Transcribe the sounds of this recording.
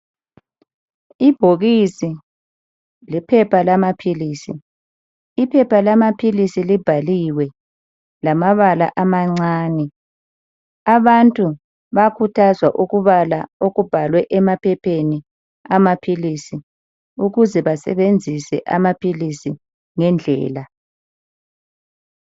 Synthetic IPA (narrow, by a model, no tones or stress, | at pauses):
ib̥ʱoɣisi | lipʰɛpʰalamapʰiliːsi | ipʰɛpʰalamapʰilisilib̥ʱaliwɛ | lamaβala̰ʔamaŋ͡ǀaːnɛ | aβantʼu | βakʰutʰazwaʔuɣuβalaoɣub̥ʱalwɛʔɛmapʰɛpʰeni | amapʰilisi | uɣuzɛβasɛ̰βend͡zʱisɛʔa̰mapʰilisi | ŋɛnd͡ɮʱɛ̰ːla